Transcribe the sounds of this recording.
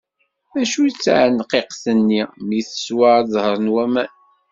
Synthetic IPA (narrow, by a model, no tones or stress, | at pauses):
mæʃujt͡sːa̰ʕənqeqθənːimiθə̥swɑɾðˤhəɾˤnwæmæn